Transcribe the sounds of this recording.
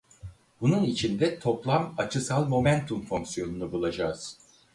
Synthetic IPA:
bununit͡ʃʰind̪ɛt̪ʰo̞plˠamat͡ʃʰɯsalˠmo̞mænt̪ʰumfo̞ŋksijo̞nunubulˠad͡ʒaːz̥

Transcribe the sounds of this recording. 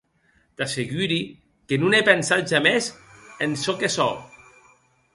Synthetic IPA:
t̪aseɣyɾi | kenunepensat̪̚ʒamezensɔkesɔ̰

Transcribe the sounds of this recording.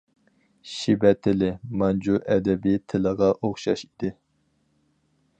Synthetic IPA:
ʃibɛt̪ʰɪlɪmɑnd͡ʒuʔɛd̪ɛbit̪ʰɪləʁɑʔoχʃɑʃid̪ɪ

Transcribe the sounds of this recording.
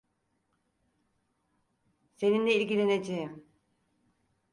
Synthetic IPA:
se̞nind̪ɛiɾɡʲilened͡ʒem

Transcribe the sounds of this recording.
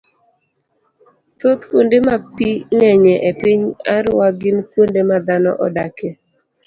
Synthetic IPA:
t̪ot̪kwondemapiŋɛɲɛʔepɪɲaɾwaɡɪnkwondemad̪anɔ̰ʔɔ̰dake

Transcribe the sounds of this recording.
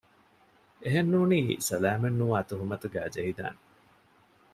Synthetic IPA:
eɦenːuːniːsɐlæːmɐnːuʋaːt̪uɦumɐt̪uɡæːd͡ʒɐɦid̪a̰ːne

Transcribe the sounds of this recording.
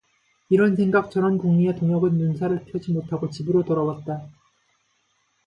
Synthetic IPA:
iɾʌnsʰe̞ŋɡak̚t͡ɕʰʌɾʌnkuŋmietoŋjʌɡɯnjunsʰaɾɯɭpʰjʌd͡ʑimotʰaɡot͡ɕibɯɾotʌɾʌwat̚t͈a

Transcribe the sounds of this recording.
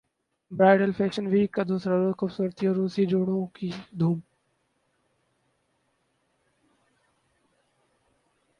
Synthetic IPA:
bɾaːɪɖəlfeːʃənʋiːkəd̪ʱõːsəɾɾoxʊbsuːɾət̪ʰijoːɾuːsiːd͡ʒoːɽoːkʰiːd̪ʱuːm

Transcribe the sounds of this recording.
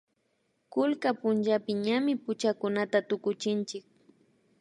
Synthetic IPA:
kʊlkapʊnt͡ʃapɪɲamɪpʊt͡ʃakʊnat̪at̪ʊkʊt͡ʃɪnt͡ʃɪk̚

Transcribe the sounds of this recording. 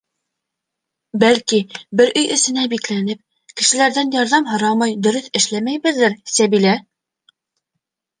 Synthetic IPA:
bælkibɘɾʔɵjʔɘ̆sɘ̆næbiklænɘp̚ | kɘ̆ʃɘ̆læɾðænjɑɾðɑmɦɤ̆ɾɑmɑjd̪ɵ̆ɾɵθɘ̆ʃlæmæjbɘ̆ðːɘɾsæβilæ

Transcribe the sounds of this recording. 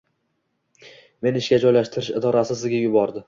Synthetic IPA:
me̞nɪʃkʲad͡ʒɒjlaʃt̪ʰɪɾɪʃɪ̰d̪ɒɾasɪs̬zɡʲajʊbɒɾd̪ɪ

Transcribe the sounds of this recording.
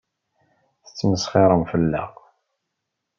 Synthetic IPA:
θə̥t͡sːməsχɪɾˤəmfəlːæ̰ʁ

